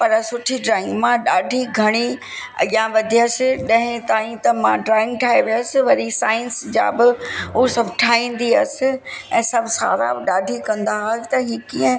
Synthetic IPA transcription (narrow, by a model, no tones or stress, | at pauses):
pɐɾsʊʈʰiɖɾaːɪ̃ŋɡmãɗaːɖʱiɡʱɐɽ̃i | jãʋɐd̪ʱiɐsɪɗɐ̃ɦɪ̃t̪aːĩt̪ɐmãɖɾaːɪ̃ŋɡʈʰaːɦeʋijəsɪ̆ʋɐɾisaːɪ̃nsd͡ʑa̰ːbɪusɐbʱʈʰaːĩːnd̪iɐsɪ̆ɛ̃ːsɐbʱsa̰ːɾa̰bɪɗaːɖʱikɐ̃nd̪aɦaːt̪ɐɦikiːə̃